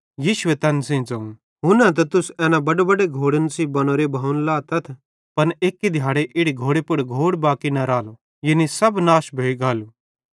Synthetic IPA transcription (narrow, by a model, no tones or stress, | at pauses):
jiːʃʊʋet̪ɛːnsẽd͡zɐ̃ũ | ɦʊnãt̪̬ɐt̪ʊsɛːnãbɐɖebɐɖeɡʱoːɽənsibɐñoːɾebʱaːʊnlaːt̪ɐt̪ʰ | pɐneːkːid̪ʱjaːɽeʔɪɽiɡʱoːɽepʊɽɡʱoːɽbaːkinɐɾaːlo | jenisɐbnaːʃbʱeːiɡaːluː